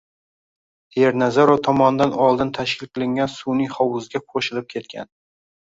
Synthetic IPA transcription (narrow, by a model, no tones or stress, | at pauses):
eɾnazaɾot̪ʰɒmɒnd̪anɒlˠd̪ɪnt̪ʰaʃkʲɪlˠqʰɨlˠɪŋɡʲansunɪχɒwʊzɡʲaqʰoʃɪlɪp̚kʲʰe̞t̪kʲʰa̰n